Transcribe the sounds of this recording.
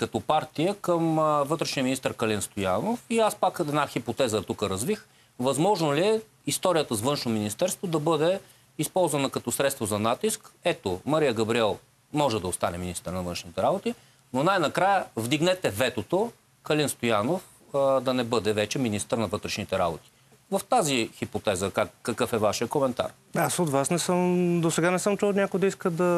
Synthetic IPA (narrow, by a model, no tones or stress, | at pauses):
kɐt̪ɔpaɾt̪ijəkəmvɤt̪ɾɛʃniəminist̪əɾkɐlinst̪ojanofiaspakɛd̪naxipot̪ɛzət̪ukəɾɐzvix | vɐzmɔʒnoliɛ | ist̪ɔɾijət̪əsvɤnʃnominist̪ɛɾst̪vod̪ɐbɤd̪ɛ | ispɔlˠzvɐnəkɐt̪ɔsɾɛt̪st̪vozɐnat̪iskɛt̪omɐɾijəɡɐbɾiɛlˠ | mɔʒɛd̪ɐost̪anɛminist̪əɾnɐvɤ̃nʃnit̪ɛɾabot̪i | nonajnɐkɾajəvd̪iɡnɛt̪ɛvɛt̪ot̪o | kɐlinst̪ojanof | d̪ɐnɛbɤd̪ɛvɛt͡ʃɛminist̪əɾnɐvɤt̪ɾɛʃnit̪ɛɾa̰bot̪i̥ | vɐft̪azixipot̪ɛzəkakːɐkɤfɛvaʃijəkomɛnt̪a̰ɾ | asot̪vasnɛsəmd̪osɛɡanɛsɤmt͡ʃunʲakʊjd̪ɐiskəd̪ɐ